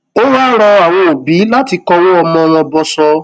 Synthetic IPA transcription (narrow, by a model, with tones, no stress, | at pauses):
o˦waː˦ɾ̃ɔ˧a˨w̃ɔ̃˧o˨bi˨˦la˦ti˧kɔ˧w̃ɔ̃˦ɔ˧mɔ̃˧w̃ɔ̃˧bɔ˧sɔ˧